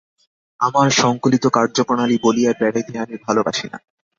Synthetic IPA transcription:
amaɾʃɔŋkolit̪okaɾd͡ʑopɾonalibolijaɾbɛɽajd̪ʰʱeamibʱaloba̰ʃina̰

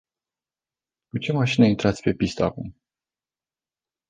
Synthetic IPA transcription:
kut͡ʃemaʃineint̪ɾat̪sʲpepʲist̪aakum

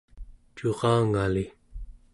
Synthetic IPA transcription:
t͡ʃuʁɑːŋali

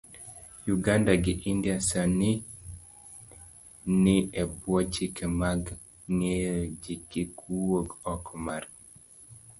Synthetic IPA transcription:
juɡandaɡɪʔindjasani | nɪɛbwɔt͡ʃikemaɡ | ŋed͡ʒikikʰuwoɡɔkmar

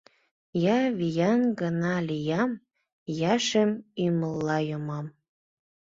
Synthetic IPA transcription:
jɑβijɑnɡənɑlijɑm | jɑʃemyməlːɑjomɑm

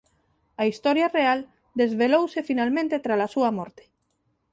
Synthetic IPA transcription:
aist̪ɔɾjareal | d̪ezβelowsefinalmẽnt̪et̪ɾalasuamɔɾt̪e̥

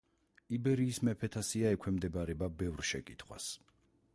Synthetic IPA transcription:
ibɛɾiːsmɛpʰɛt̪ʰasiaɛkʷʰwɛmd̪ɛbaɾɛbabɛvɾʃɛkʼit̪ʰχwa̰s

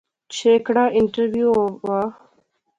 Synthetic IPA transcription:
t͡ʃʰeːkɽaːʔɪɳʈəɾʋjuːʋaː

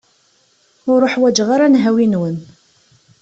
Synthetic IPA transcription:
ʊɾˤoħwæd͡ʒʁaɾanɦæwinwən

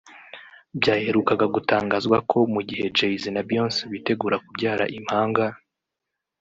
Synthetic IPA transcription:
bɟaːhe̞ɾukaɡaɡutaːŋɡazɡwakʰo̞muɟihe̞d͡ʒejizinabjo̞ːnseβite̞ɡuːɾakubɟaːɾa̰ʔim̥haːŋɡa

